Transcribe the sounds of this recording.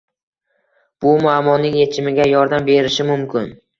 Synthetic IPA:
b̥ʊmʊamɒnːɪŋje̞t͡ʃʰɪmɪɡʲajɒɾd̪ambe̞ɾɪʃɪmʊmkʲʰɪn

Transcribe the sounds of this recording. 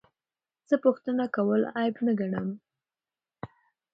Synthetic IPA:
z̥əpʊxt̪ənakawəlɑjbnaɡaɳəm

